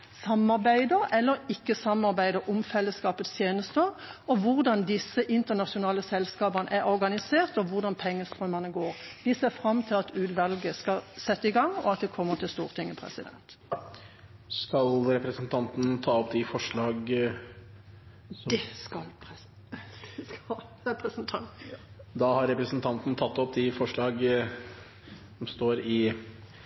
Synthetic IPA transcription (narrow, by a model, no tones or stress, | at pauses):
sɑmɑʁbæɪd̪əʁɛlːəʁɪkːəsɑmɑʁbæɪd̪əʁʊmfɛlːəskɑːpət̪st̪ʰjeːnəst̪əʁɔʋʊʁd̪ɑnd̪ɪsːəʔɪnt̪əʁnɑʂʊnɑːləsɛlskɑːbɑʁnə̰ʔæʁɔʁɡɑnɪseːʁt̪ɔʋʊʁd̪ɑnpʰɛŋːəst̪ʁœməʁnəɡoːʁd̪ɪseːʁfʁɑmːt̪ʰɪlɑt̪ʉːd̪ʋɑlɡəskɑsɛt̪ːəɪɡɑŋɔ̰ɑt̪̚d̪ɛkʰɔmːəʁt̪ʰɪlst̪uːʁt̪ʰɪŋːəpʰʁɛ̰sɪd̪ɛ̰nt̪ | skɑlɾɛpɾəsnt̪ʰɑnt̪n̩t̪ʰɑːɔpd̪ɪfɔʂɭɑːɡ | kɑl | ɾɛpɾəsnt̪ʰɑnt̪d̪ɑhɑɾɾɛpɾəsn̩t̪ʰɑnt̪nət̪ʰɑt̪ːɔp̚d̪ɪfɔʂɭɑːɡ | sɔmst̪oːɾɪ